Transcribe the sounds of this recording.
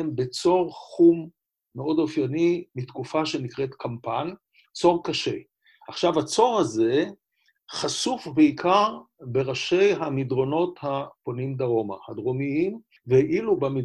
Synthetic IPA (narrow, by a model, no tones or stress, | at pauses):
embet͡so̞ʁχumː | eo̞dofjanimitkufaʃe̞nikʁetkampan | t͡so̞ʁkaʃe | aχʃavat͡so̞ʁhaze̞ | χasufbeikʰaʁbe̞ʁaʃe̞jɦamidʁo̞no̞thaponimd̪aʁo̞ma̰hadʁomiim | veʔilubami